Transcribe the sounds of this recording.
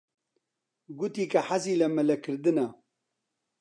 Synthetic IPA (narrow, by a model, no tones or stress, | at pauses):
ɡut̪iːkɐħaziːlɐmɐlɐkʰɨɾd̪ɨnɐ